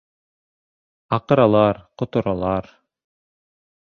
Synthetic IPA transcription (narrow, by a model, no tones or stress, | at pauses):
ɑqɤ̆ɾɑlˠɑɾqŏt̪ŏɾɑlˠɑɾ